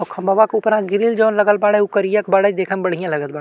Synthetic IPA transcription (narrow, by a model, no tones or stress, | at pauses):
ɔkʰɐmbəʋakʊpɾãɡɪɾild͡ʒoːnlɐɡəlbaːɽeukəɾijakbaɽəd̪eːkʰənbɐɽ̤ijãlɐɡət̪̚baɽ